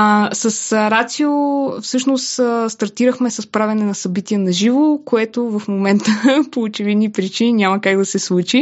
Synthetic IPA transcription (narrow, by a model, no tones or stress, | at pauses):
sɐsɾat̪siofsɤʃnost̪əst̪ɐɾt̪iɾəxmɛsɐspɾavʲɐnɛnɐsɐbit̪iɛnɐʒivokoɛt̪ovɐfmomɛnt̪əpoːt͡ʃɛvid̪nipɾit͡ʃininʲaməkaɡd̪ɐsɛslˠut͡ʃi